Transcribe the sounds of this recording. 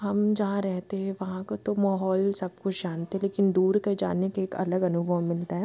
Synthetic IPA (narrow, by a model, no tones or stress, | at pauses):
ɦɐmd͡ʒɐɦãɾɛɦt̪eɦɛ̃ʋɐɦãkat̪omaːɦɔːlsɐb̚kʊt͡ʃʰd͡ʒaːnt̪eɦɛ̃leːkɪnd̪uːɾked͡ʒa̰ːnekeeːkɐ̰ləɡɐnʊbʱəʋmɪlt̪aɦɛ